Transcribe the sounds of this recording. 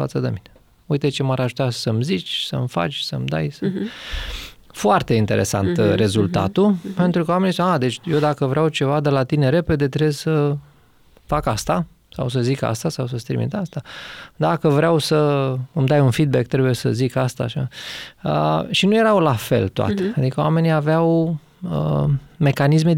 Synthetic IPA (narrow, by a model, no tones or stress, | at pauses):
fa̰t̪səd̪emine | ujt̪et͡ʃemaɾaʒut̪asəmzit͡ʃʲsə̰mfa̰t͡ʃʲsəmd̪a̰jsə | foart̪e̞int̪e̞ɾʔe̞̰sa̰nt̪ɾe̞zult̪a̰t̪upe̞nt̪ɾukəwamenisad̪e̞t͡ʃʲjewd̪akəvɾeawt͡ʃe̞vad̪elat̪ine̞ɾe̞pe̞d̪e̞t̪ɾessə | fakast̪a | sa̰ws̬əzika̰st̪asawsəst̪ɾḭmḭt̪ast̪ad̪akəvɾeawsəɨmd̪ajunfid̪̚bek̚t̪ɾebuje̞sə̰zikast̪a̰ʃa̰ə̰ʃinuje̞ɾawlafḛlt̪oa̰t̪ead̪ikəwame̞niaveaw | əme̞kanisme̞